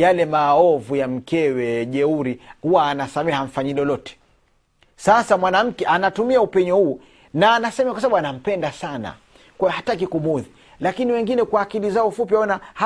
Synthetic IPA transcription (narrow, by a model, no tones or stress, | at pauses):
jalɛmaɔvujam̩kɛwɛʄɛuɾihuwaːnasamɛhaɱ̩faɲilɔlɔtɛ̥ | sasamwanam̩kɛʔanatumiaupɛɲɔhuː | naːnasɛmɛakwasaaɓuanam̩pɛndasana̰ | kwajɔhatak̬ikumuði | lakiniwɛŋɡinɛkwaːkilizaɔfupiaɔnah